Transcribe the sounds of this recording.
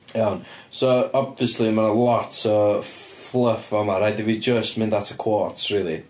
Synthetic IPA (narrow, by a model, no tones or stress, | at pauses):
ɔn | soɔbviəslimanəlˠɔtʰəflˠəfəmaɾajdɪvid͡ʒəstmɪ̃ndðatʰəkʰw̥ɔtʰriːlˠi